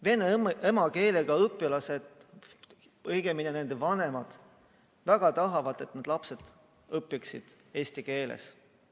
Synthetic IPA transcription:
ve̞neemɑke̞ːle̞ɡ̥ɑɤpːˑilɑse̞d̪̥ | ɤjɡ̥eminene̞nd̪evɑne̞mɑd̪̥ | væɡ̥ɑt̪ɑɦɑvɑd̪̥e̞t̪nɑd̪̥lɑpse̞d̪̥ | ɤpːˑiksḭd̪̥ | e̞ːsʲt̪ike̞ːlḛs

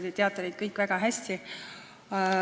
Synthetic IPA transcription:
d̪̥et̪ʲeɑt̪ːˑɑni̥kɤjkːˑvæɡ̥ɑɦæst̪i

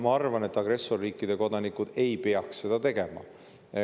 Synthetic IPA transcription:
mɑɑrvɑne̞t̪ːˑɑɡ̥ɾe̞sːo̞rːiːkːˑid̪̥e̞ko̞d̪̥ɑnikˑud̪̥e̞jpe̞ɑksːe̞d̪̥ɑt̪e̞ɡ̥e̞mɑ̰

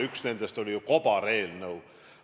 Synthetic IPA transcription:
yksne̞nd̪̥e̞st̪o̞lʲiuko̞b̥ɑɾe̞ːlnɤw

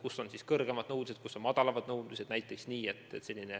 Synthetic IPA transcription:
kuso̞nsiskɤrɡ̥e̞mɑd̪̥nɤwd̪us̬e̥kusːo̞nmɑd̪̥ɑlɑvɑd̪̥nɤwd̪used̪næjt̪ːˑeksniːe̞t̪ːˑese̞lʲːine

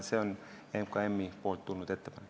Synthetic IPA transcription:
seon | emkɑemːipolt̪t̪ːulnut̪e̞t̪ːepɑn

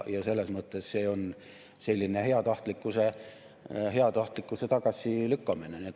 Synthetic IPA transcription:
jɑse̞lːesmɤt̪ːˑesse̞ːo̞n | se̞lʲːinehe̞ɑt̪ɑht̪likːˑuse | he̞ɑt̪ɑht̪likːˑuse̞t̪ɑɡ̥ɑsʲˑilykːɑmineniet̪

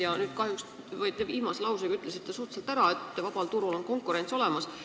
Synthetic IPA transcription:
jɑnyːd̪̥kɑhjuks | vɤjt̪eiːmɑselɑwsekɑyt̪ːˑlesit̪ːesuht̪selt̪æɾɑe̞t̪ˑːvɑb̥ɑlt̪uɾulo̞nko̞ŋkˑuɾe̞nt̪so̞le̞mɑs

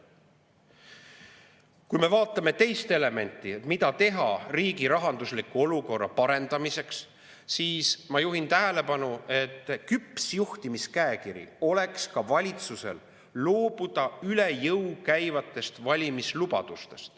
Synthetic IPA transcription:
kujme̞vɑːt̪ˑːɑme̞t̪e̞jst̪e̞le̞me̞nʲt̪ːˑimit̪ɑt̪e̞ɦɑ̰riːɡiɾɑɦɑnd̪uslikuo̞luko̞rːɑ̰pɑɾe̞nd̪̥ɑmise̞ks | siːsmɑjuɦint̪æɦele̞pɑnue̞t̪ːˑkypsjuht̪imiskæekiɾḭo̞le̞kskɑvɑlʲit̪suse̞̰l | lo̞ːb̥ud̪̥ɑyle̞jɤwkæjvɑt̪ːˑe̞st̪vɑlʲimislubɑ̰d̪̥ust̪e̞st̪

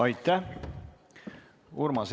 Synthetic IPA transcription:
ɑjt̪ːæh | uɾmɑs

